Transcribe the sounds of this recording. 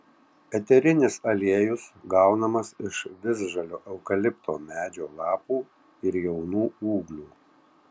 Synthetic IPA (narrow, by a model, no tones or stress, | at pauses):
ɛt̪ʲɛɾʲɪnʲɪsɐlʲiɛjʊsɡɐʊnɐmɐsɪʃʋʲɪzʒɐlʲoːʔɛʊkɐlʲɪpt̪o̰ːmʲæːd͡ʒʲoːlˠɑːpuː | ɪɾjɛʊnuːuːɡlʲuː